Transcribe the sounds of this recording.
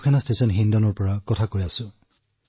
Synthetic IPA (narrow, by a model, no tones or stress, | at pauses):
kʰɛnastesɔnɦindɔnɔɹpɔɹakɔtʰakojasʊ̃